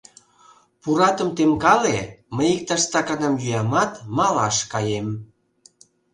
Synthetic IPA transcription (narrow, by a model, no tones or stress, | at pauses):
puɾɑt̪əmt̪emkɑleməjik̚t̪ɑʃt̪ɑkɑnɑmjyjɑmɑt̪mɑlɑʃkɑjem